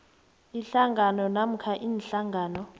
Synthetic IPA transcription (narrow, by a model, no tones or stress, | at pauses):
iɬaŋɡʱanɔnam̩kʰaʔiːnɬaŋɡaːnɔ